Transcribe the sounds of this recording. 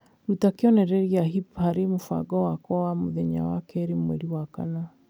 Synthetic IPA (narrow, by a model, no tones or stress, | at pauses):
ɾutakeɔnɛɾɛɾiaɦipaɾemofa̰ɡɔwakwɔwamoðɛɲa̰wakɛɾemwɛ̰ɾiwaka̰na